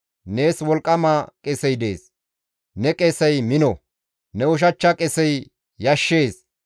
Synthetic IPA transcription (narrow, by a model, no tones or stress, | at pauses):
neːswɔlkʼːɐmakʼɛsɛjd̪e̞ːs | nɛkʼesɛjmɪnɔ | nɛʊʃ̬ɐt͡ʃːɐkʼɛsɛj | jɐʃːeːs